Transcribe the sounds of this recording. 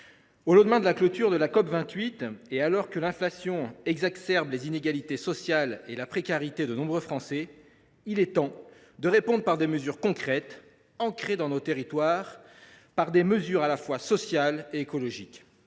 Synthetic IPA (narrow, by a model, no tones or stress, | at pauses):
olɑ̃d̪mɛ̃d̪əlaklɔt̪yʁd̪əlakɔpvɛ̃t̪ɥit̪ealɔʁkəlɛ̃flasjɔ̃ɛɡzaksɛʁblezineɡalit̪esɔsjalelapχekaʁit̪ed̪ənɔ̃bʁøfχɑ̃sɛ | ilɛt̪ɑ̃ | d̪əʁepɔ̃d̪ʁəpaʁd̪eməzyʁkɔ̃kχɛt̪ | ɑ̃kχed̪ɑ̃not̪eʁit̪waːʁ | paʁd̪eməzyʁalafwasɔsjaleekɔlɔʒik